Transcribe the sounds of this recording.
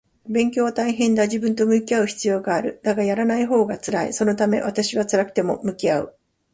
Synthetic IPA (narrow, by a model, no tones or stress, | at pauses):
bẽ̞ŋkʲo̞ːβat̪aiɦẽ̞nd̪aʑibɯ̟̃nt̪o̞mɯ̟kʲiaɯ̟çi̥t͡sɨjo̞ːɡaːɾɯ̟d̪̥aɡajaɾanaiɦo̞ːɡat͡sɨɾaḭso̞no̞t̪ame̞̰βat̪aɕiβat͡sɨɾakɯ̟̥t̪e̞mo̞̰mɯ̟kʲiaɯ